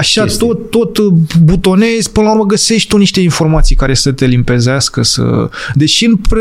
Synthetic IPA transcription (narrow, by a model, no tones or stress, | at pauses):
aʃat̪o̞t̪ːo̞t̪but̪o̞ne̞zpɨnlauɾməɡəse̞ʃt̪ʲt̪uniʃt̪e̞info̞rmat̪sijkaɾe̞sət̪e̞limpe̞zeaskəsə̰d̪e̞ʃiɨnp